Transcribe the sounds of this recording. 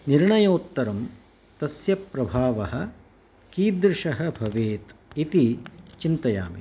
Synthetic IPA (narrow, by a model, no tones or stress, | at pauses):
niɾɳɐjɐut̪ːɐɾɐm | t̪ɐsjɐpɾɐbʱaːʋɐɦɐ̆ | kiːd̪ɾɪʃɐɦɐbʱɐʋeːt̪it̪it͡ʃint̪ɐja̰ːmḭ